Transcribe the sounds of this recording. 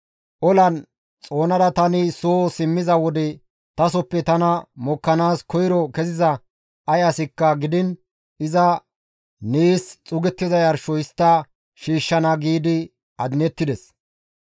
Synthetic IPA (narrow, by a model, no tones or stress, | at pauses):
ʔɔlɐn | t͡sʼo̞ːnɐɾɐt̪ɐnɪsoːsɪmːɪzɐwɔd̪ɛ | t̪ɐs̬ɔpːɛt̪ɐnɐmɔkːɐnaːskɔjɾɔkɛzɪzɐ | ʔɐjɐsɪkːɐɡɪd̪ɪn | ɪzɐ | niːst͡sʼʊɡɛt̪ːɪzɐjɐɾʃɔɪst̪ːɐ | ʃiːʃːɐnɐɡiːd̪ɪ | ɐd̪ɪnɛt̪ːɪd̪ɛs